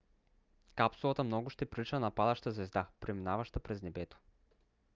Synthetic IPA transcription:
kapsulˠat̪əmnɔɡʊʃt̪ɛpɾilit͡ʃnənapad̪ɐʃt̪azvɛzd̪apɾɛminavaʃt̪apɾɛznɛbɛt̪o̥

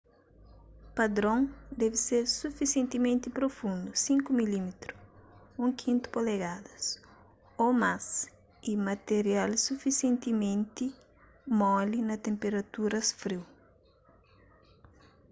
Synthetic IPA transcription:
pad̪ɾõŋd̪ɛviseɾsufisjẽnt̪imẽnt̪ipɾofũnd̪usĩŋkʊmilimet̪ɾu̥ũŋkʰĩnt̪ʊ̥poleɡad̪ɐs | omas | imɐt̪eɾialsufisjẽnt̪imẽnt̪i | mɔlinɐt̪ẽmpeɾɐt̪uɾɐsfɾiw

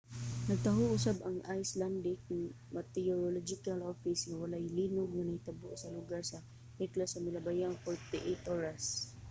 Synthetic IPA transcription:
nɐɡ̚t̪aɦʊʔʊsabɐŋʔajsland̪ɪk̚n | mat̪ɛoɾolɔd͡ʒɪkalofɪsŋawɐlajliːnʊɡ̚ŋanɐhɪt̪abʊʔsɐlʊɡaɹsa | ɛklasɐmɪlabajaŋfɔɹt̪ɪʔɛjt̪ʔoɹas

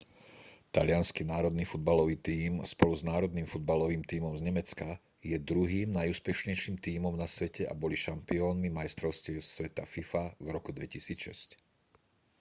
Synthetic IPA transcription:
t̪aʎɪanskinaːɾɔd̪niːfud̪̚balɔʋiːt̪iːmspɔluznaːɾɔd̪niːmfud̪̚balɔʋiːmt̪iːmɔmzɲɛmɛt͡ska | jɛd̪ɾuɦiːmnajuːspɛʃɲɛjʃiːmt̪iːmɔmnasʋɛcɛa̰bɔliʃampiɔːnmimajst̪ɾɔʊscɛsʋɛt̪afifavɾɔkud̪ʋɛcisiːt͡sʃɛ̰sc

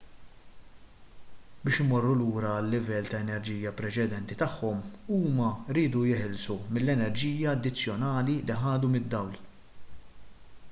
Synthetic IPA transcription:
bɪːʃɪmɔrːuluːɾɐːlːɪvɛlːt̪ɐɛnɛɾd͡ʒiːjɐpɾɛt͡ʃɛd̪ɛnt̪it̪ɐħːɔmuːmɐɾiːd̪ujɪħɪlsumɪlːɛnɛɾd͡ʒiːjɐːd̪ːɪt͡sːjɔnɐːliliħɐːd̪umɪd̪ːɐwl

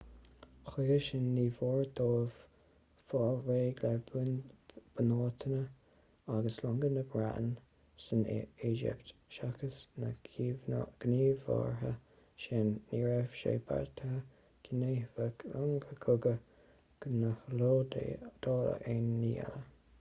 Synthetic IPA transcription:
xeːəʃɪnːiːvoːɹd̪oːv̥ | fɑlweːɡlɛb | b̥ənoːt̪ʰənə | aɡəslʊŋɡənəbɾa̰ʔn | səned͡ʒɪ̰pt̪ʃakəsnə | ɡ̥niːvɑ̰ɹɦə̰ | ʃenːiːɹɛfʃḛːba̰ɹt̪ʰəhə | ɡ̥ʰɪneːvəlʊŋɡəkʰʊɡə | ɡ̥nəhloːdḛd̪̥oːlə̰ʔenːiːɛ̰lə

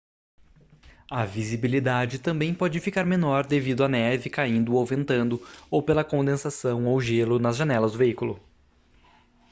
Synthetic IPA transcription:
ɐvizibilid̪ad͡ʒɪt̪ɐ̃mbẽj̃pɔd͡ʒɪfikaɾmenɔɾd̪evid̪ʊanɛvɪkaĩnd̪ʊawvẽnt̪ɐ̃nd̪ʊowpelɐkõnd̪ẽsasɐ̃w̃owʒelʊnɐzʒɐnɛlɐzd̪ʊveikulʊ

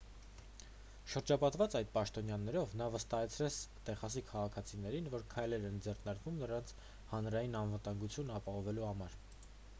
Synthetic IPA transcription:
ʃəɾd͡ʒɑpɑt̪vɑt͡sɑjd̪̚pɑʃt̪ɔnjɑnɛɾɔvnɑvəst̪ɑɦɛt͡sʰɾɛt͡sʰt̪ɛχɑs̬ikʰɑʁɑkʰɑt͡sʰinɛɾinvɔɾkʰɑjlɛɾɛnd͡zɛrnɑɾkvumnəɾɑnt͡sʰ | hɑnɾɑjinɑnvət̪ɑŋɡut͡sʰjunɑpɑɦɔvɛluhɑmɑɾ

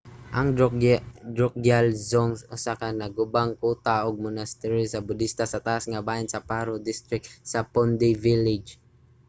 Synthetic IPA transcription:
ʔaŋ | dɹɔk̚ɡjalzɔŋsʊsakanaɡʊbaŋkut̪aʔʊɡ̚mʊnast̪ɛɾisabʊd̪ist̪asat̪aʔasŋabaɪnsapaɾʊd̪ist̪ɾɪk̚t̪sapɔnd̪ivilɪd͡ʒ

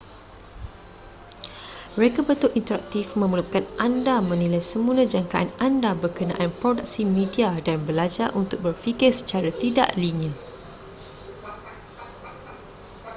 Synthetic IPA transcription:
əɾekəbət̪ʊʔint̪əɾak̚t̪ifmə̃məlukanʔandamə̃nilajsəmũnãd͡ʒaŋkaʔanandabərkənã̰ʔanpɾodak̚simẽdiadanbəlad͡ʒaʔunt̪ʊk̚bərfikɪrsə̥t͡ʃaɾat̪ida̰ʔliniə̃

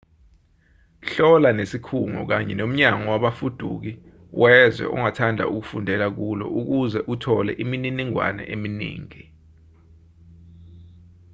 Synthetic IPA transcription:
ɬɔlanesikʰuŋɔ̰k̬aɲɛ̰nom̩ɲaŋɔwaɓafud̥ʱuk̬i | wʔɛzwɛ̰ʔṵŋatʰandʱa̰uk̬ufundʱɛlak̬ulɔ̰ʔuk̬uzɛʔutʰɔlɛ̰ʔimininiŋwa̰nɛ̰ʔeminḭːŋi

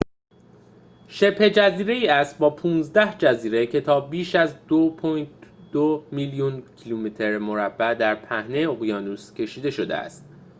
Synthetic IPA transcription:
ʃe̞pʰhe̞d͡ʒæziːɾe̞iːæst̪̚bɒːpʰũːnzd̪æhd͡ʒæziːɾe̞cʰe̞t̪ʰɒːbiːʃæzd̪o | d̪̥omiljuncʰilumit̪ʰe̞ɾmo̞ɾæb̥ːæd̪æɾpʰæhne̞jeoɣjɒːnuːscʲʰe̞ʃiːd̪e̞ʃo̞d̪e̞̰æ̰st̪

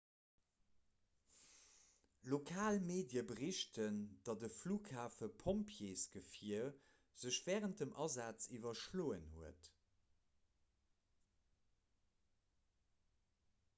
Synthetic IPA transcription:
lokʰaːlmeːdjəbəʁiʃtʰənd̥ɑdəfluːkʰhaːfəpʰompʰjeːsɡ̥əfiə | z̥əɕv̥ɛːʁənt̚dəmʔɑzaːt͡sivɐʃloːənhuət

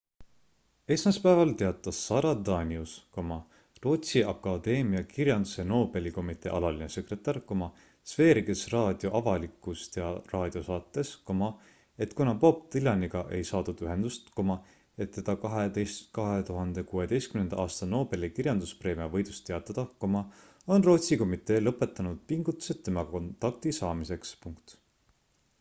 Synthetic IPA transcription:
e̞ːsmɑspæevɑlt̪e̞ɑt̪ˑːɑsːɑɾɑd̪ɑːnʲiusko̞mɑ | ro̞ːt̪siʔɑkːɑd̪̥e̞ːmiɑkiɾjɑnd̪use̞no̞ːbe̞liko̞mit̪ːˑḛːʔɑlɑlinese̞kre̞t̪ːˑɑrko̞mɑ | sv̥e̞ːɾiɡe̞srɑːd̪̥jo̞ʔɑvɑlikˑːust̪jɑrɑːd̪̥io̞sɑːt̪ːˑe̞sko̞mɑ | e̞t̪kunɑpo̞p̚t̪ilʲɑniɡ̥ɑʔe̞jsɑːd̪̥ud̪̥yɦe̞nd̪̥ust̪ko̞mɑ | e̞t̪ːe̞d̪̥ɑkɑɦed̪ejst̪kɑɦe̞t̪uɦɑnd̪e̞kuːe̞d̪e̞jst̪kymnend̪ɑɑːst̪ɑno̞ːb̥e̞likirjɑnd̪̥uspre̞ːmiɑvɤ̞jd̪̥ust̪ːeɑt̪ːˑɑd̪̥ɑko̞mɑ | o̞nro̞ːt̪siko̞mit̪ːˑe̞ːlɤpːˑe̞t̪ːˑɑnud̪̥piŋɡut̪ːˑu̥se̞t̪ːe̞mɑko̞nt̪ːˑɑk̚t̪isɑːmise̞kspuŋkt̪

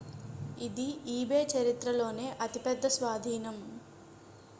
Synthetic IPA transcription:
id̪iiːbeːt͡ʃɐɾit̪ɾɐlo̞ːne̞ːʔɐt̪ipɛd̪ːɐsʋaːd̪ʱiːnɐm

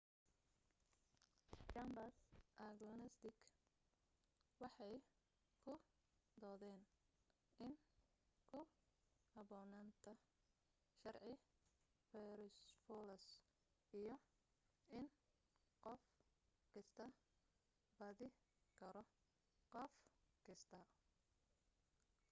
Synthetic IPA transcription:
t͡ʃɐmbɐsʔɐɡlɔnɛst̪ɪk | wɑħɑj | kʰʊ | d̪ɔːðɛːn | ɪn | kʰʊhɐbɔːnant̪ʰɐ | ʃɐrʕɪ | fɛɾɪsfɔlɐs | ijɔ | ɪn | qɔfkʰɪst̪ʰɐ | bɐðɪ | kʰɐɾɔ | qɔfkʰɪst̪ʰɐ

